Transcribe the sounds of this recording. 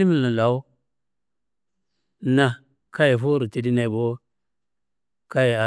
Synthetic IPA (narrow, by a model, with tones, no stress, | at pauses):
i˦mi˦˨la˨la˨˦u˦ | na˨ | ka˦ji˨fu˦ɾi˨ti˨di˦na˨bo˦ | ka˦ji˨a˨